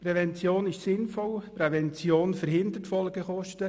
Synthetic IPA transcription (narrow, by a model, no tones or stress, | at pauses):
pɾɛvɛnt͡sjoːnɪʃsɪnfɔlpɾɛvɛnt͡sjoːnfəɾhɪnd̪əɾtfɔlɡəχɔʃtə